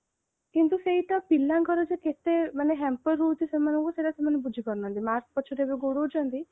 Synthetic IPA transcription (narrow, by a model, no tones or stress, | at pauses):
kint̪useɦiʈɔpilãŋkɔɾɔd͡ʒeket̪emaneɦɛmpɔɾːut̪isemanɔ̃ŋkuseʈasemanebud͡ʒʱikɔɾnɔɦɔnt̪imaɾk̚pɔt͡ʃʰiɾebeɡoɽot͡ʃʰɔnt̪i